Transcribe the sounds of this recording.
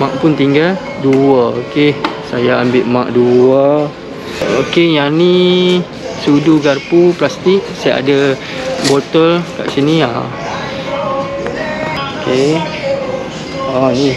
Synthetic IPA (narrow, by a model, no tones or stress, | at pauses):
mãʔpʊnt̪iŋɡal | duəokesajaːmbɪʔmãʔduwə | okejani | suduɡarpuplast̪ik̚saaa̰da | bot̪əlka̰ʔsinia̰ | oke | ani